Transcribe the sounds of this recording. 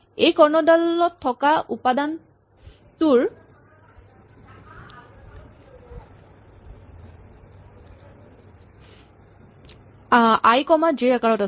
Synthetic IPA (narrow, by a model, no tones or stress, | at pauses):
ejkɔɹnɔdalɔtʰːɔkaʔupadan | tuɹ | ajkɔmad͡ʒiɹakaɹɔta